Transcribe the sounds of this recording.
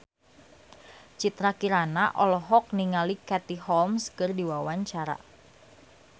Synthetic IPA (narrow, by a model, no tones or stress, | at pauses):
t͡ʃit̪ɾakiɾanaʔɔlɔɦɔk̚niŋalikɛt̪iɦɔlmskərdiwawaɲt͡ʃaɾa̰